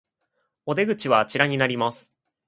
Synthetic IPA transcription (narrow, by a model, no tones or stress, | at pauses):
o̞d̪e̞ɡɯ̟t͡ɕiβat͡ɕiɾaɲ̟inaɾʲimasɨ̥